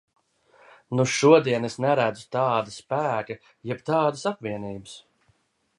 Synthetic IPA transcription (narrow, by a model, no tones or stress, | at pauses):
nuʃuɔd̪iɛnesnæɾæd̪zʊ̥t̪ɑːd̪ɐspæːkɨ | jɛbt̪ɑːd̪ɨsapviɛniːbɨs